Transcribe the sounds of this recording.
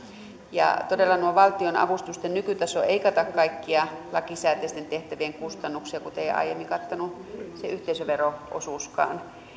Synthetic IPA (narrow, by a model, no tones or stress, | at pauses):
jɑ̰t̪odelːɑnuoʋɑlt̪ionɑ̰ʋust̪ust̪ennykyt̪ɑsoeikɑt̪ɑkkɑikːiɑlɑkisæːt̪est̪ent̪eht̪æʋieŋkust̪ɑnːuksiɑkut̪eiɑ̰ijemːiŋkɑt̪ːonuseʔyht̪eisøʋeroʔo̰suˑskɑ̰ːn